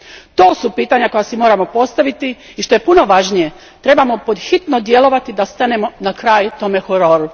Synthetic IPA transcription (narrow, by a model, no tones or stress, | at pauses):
t̪o̞ːsupiːt̪aɲako̞jasimo̞ːɾamo̞po̞st̪aʋit̪i | iʃt̪o̞je̞puno̞ʋaʒnije̞ | t̪ɾe̞bamo̞po̞d̪xit̪nod̪je̞lˠo̞ʋat̪id̪ast̪ane̞mo̞nakɾaːjt̪o̞ːme̞xoɾo̞ɾu